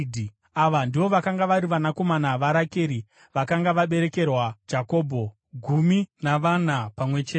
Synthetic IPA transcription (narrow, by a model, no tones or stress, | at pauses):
dʱi | aʋandiʋo̞ʋakaŋɡaʋaɾiʋanako̞manaʋaɾake̞ːɾi | ʋakaŋɡaʋaɓe̞ɾe̞ke̞rwad͡ʒako̞ːbʱo̞ | ɡʱuminaʋanapamwe̞t͡ʃe